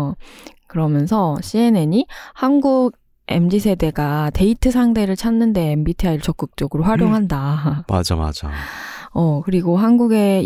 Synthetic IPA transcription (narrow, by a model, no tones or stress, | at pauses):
kɯɾʌmjʌnsʰʌɕʰie̞ne̞ɲihanɡuɡ̚ | e̞md͡ʑisʰe̞de̞ɡate̞itʰɯsʰaŋtʰe̞ɾɯɭt͡ɕʰanːɯnde̞ːmbitʰiaiɭt͡ɕʌk͈ɯk̚t͡ɕ͈ʌɡɯɾoɸwaɾjoŋɦandama̰d͡ʑama̰d͡ʑa̰ʌkɯɾiɡoɦanɡuɡe̞